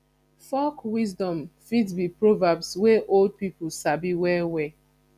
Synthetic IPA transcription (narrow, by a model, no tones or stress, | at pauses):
fɔkwizdɔ̃mfidbipɹovabswɛʔold̚pipusabiwɛwɛ